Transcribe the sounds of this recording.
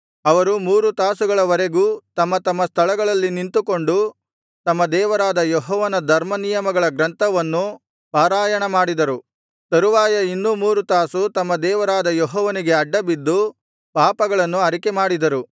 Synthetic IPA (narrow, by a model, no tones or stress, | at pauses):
ɐʋɐɾumuːɾut̪aːsuɡɐɭɐʋɐɾe̞ɡuːt̪ɐmːɐt̪ɐmːɐst̪ʰɐɭɐɡɐɭɐlːinint̪uko̞ɳɖu | t̪ɐmːɐd̪ɛːʋɐɾaːd̪ɐjɔɦɔːʋɐnɐd̪ʱɐɾmɐnijɐmɐɡɐɭɐɡɾɐnt̪ʰɐʋɐnːu | paːɾaːjɐɳɐmaːɽid̪ɐɾu | t̪ɐɾuʋaːjɐinːumuːɾut̪aːsut̪ɐmːɐd̪ɛːʋɐɾaːd̪ɐjɔɦɔːʋɐniɡe̞ɐɖːɐbid̪ːu | paːpɐɡɐɭɐnːuɐɾikemaːɽid̪ɐɾu